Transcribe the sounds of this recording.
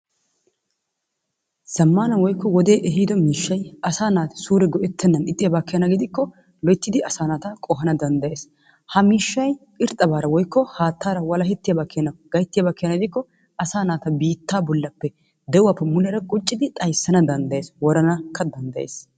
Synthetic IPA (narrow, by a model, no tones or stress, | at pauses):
sɐmːaːnɐwɔjkːɔwɔd̪e̞ːʔɛɦid̪ɔmiːʃːɐjɐsaːnaːt̪ɐ̥suːɾɛɡɔʔɛt̪ʰːɛnːɐnɪt̪ʼːɪjɐbakːɛjɐnɐɡɪd̪ɪkːɔ | lɔjt̪ːɪd̪ɪʔɐsaːnaːt̪ɐkʼɔɦɐnɐd̪ɐnd̪ɐje̞ːs | hɐmiːʃːɐjkʼɪɾt̪ʼːɐbaːɾɐwɔjkːɔhaːt̪ːaːɾɐwɐlɐɦɛt̪ːɪjɐbakʰːɛɐnɐɡ̥ɐjt̪ːɪjɐbakːɛjɐnɐɡɪd̪ɪkːɔ | ɐsaːnaːt̪ɐbiːt̪ːaːbɔlːɐpːɛ | d̪ɛʊwaːpːɛmʊnɛɾɐkʼʊt͡ʃʼːɪd̪ɪt̪ʼɐjsːɐnɐd̪ɐnd̪ɐjeːswɔɾɐnɐkːɐd̪ɐnd̪ɐjḛːs